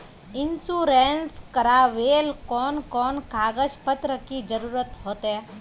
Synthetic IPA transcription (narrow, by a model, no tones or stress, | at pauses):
ɪnsuːɾeːnskəɾaʋeːlkɔːnkɔːnkaːɡəd͡ʒpət̪ɾəkid͡ʒəɾuːɾət̪ɦoːt̪ɦɛː